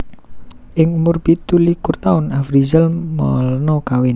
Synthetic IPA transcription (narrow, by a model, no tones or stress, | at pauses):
ʔɪŋmʊrpit̪ulikʊrt̪aʊnafɾizəlmɔ̰lnɔkawɪn